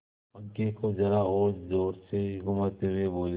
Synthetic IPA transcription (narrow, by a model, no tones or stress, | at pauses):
ɐɡːekod͡ʒɐɾaoːd͡ʒoːseɡʊmaːt̪eɦʊeboːl